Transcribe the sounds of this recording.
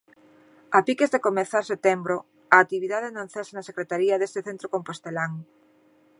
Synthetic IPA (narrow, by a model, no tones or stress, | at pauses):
apikezðekomeθaɾset̪embɾo | aːk̚t̪iβ̞iðaðenõn̟θasenasekɾet̪aɾiaðest̪eθent̪ɾokompost̪elaŋ